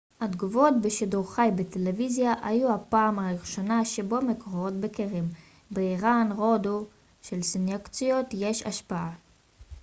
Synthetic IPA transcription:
had̪ɡuvo̞t̪beʃiduʁχajbetelevizjaʔajuhapaːmaʁiχʃonaʃebo̞mekoʁoot̪̚bekeʁim | beiʁanʁodu | ʃelsinjakt͡sio̞tje̞ʃa̰ʃpaa

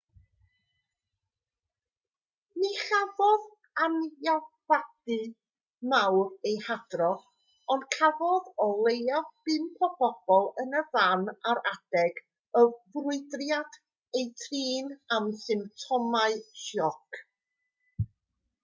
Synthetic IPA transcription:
niχavɔð | anjabad̥ɨ | mawrejhad̥rɔ | ɔndkʰavɔðɔlˠejavb̥ɨnpʰɔb̥ɔb̥ɔlˠənəvanaɾad̥ɛɡ | əvrʊɨdrjad̥ | ejtʰriːnamsɨmp̚tʰɔmaɨʃɔk

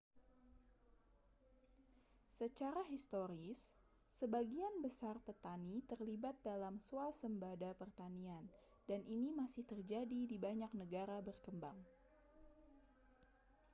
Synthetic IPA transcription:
sət͡ʃaɾaɦist̪oɾɪsː | əbaɡianbəsarpət̪anit̪ərlibat̪̚dalamsuasəmbadapərt̪anian | danʔinimasɪht̪ərd͡ʒadidibaɲak̚nəɡaɾabərkəmbaŋ

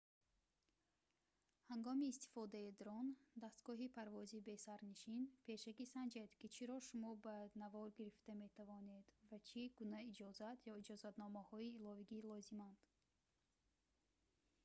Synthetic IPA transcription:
haŋɡɔmiːst̪ʰi̥fɔd̪aid̪ɾɔnd̪ast̪ɡɔɦipʰaɾvɔzibe̞saɾniʃinpʰe̞ʃakisand͡ʒed̪kit͡ʃʰiɾɔʃumɔbanavɔɾɡiɾift̪ame̞t̪ʰavɔne̞d̪vat͡ʃʰiɡ̥unaid͡ʒɔzat̪ʰjɔid͡ʒɔzat̪nɔmahɔiːlɔviɡilɔzimand̪̥

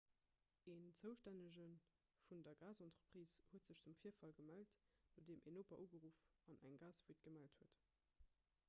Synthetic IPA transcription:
eːnt͡səʊʃtænəʑən | fundɐɡaːzɑntʁəpʁ̥iːshuətz̥əɕt͡sumfiːɐfɑlɡəmæltdodeːmʔenoːpɐʔuːɡəʁuːfɑnʔæŋɡaːsv̥uːt̚ɡ̥əmælthuət

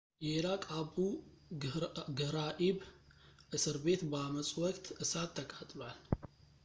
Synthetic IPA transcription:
jɛlakʼabu | ɡɨhɾaʔiβʔɨsɨɾbe̞t̪baməsʼwɔkʼt̪ʰɨsat̪ʰːəkʼat̪ʼlwal

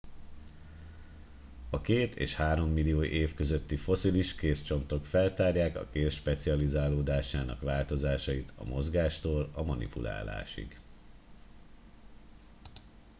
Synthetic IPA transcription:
ɒkeːt̪ʰḛːʃhaːɾo̞mːilijoːʔeːfkøzøt̪ːifo̞siliʃkeːst͡ʃo̞nt̪o̞kfɛlt̪aːrjaːkɒ̰keːsʃpɛt̪siɒlizaːloːd̪aːʃaːnɒ̰kʋaːlt̪o̞zaːʃɒjit̪ʰɒ̰mo̞zɡaːʃt̪oːlɒmɒnḭpulʔa̰ːla̰ːʃḭɡ

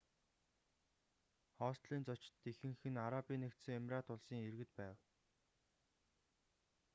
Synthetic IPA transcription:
χɔːst̪ɮiːnt͡sɔt͡ɕt̪ːexɘ̆ŋxɘ̆naɾapiːnːekt̪sɘ̆ŋemraːt̪ʊɮsiːŋerɣɘ̆t̪pæːw

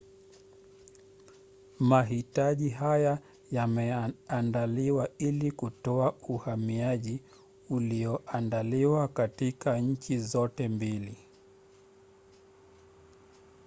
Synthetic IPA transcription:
maɦitaʄiɦaja | jamɛandaliwailikutɔauhamiaʄi | uliɔʔandaliwakatikaɲ̩t͡ʃizɔtɛmbili

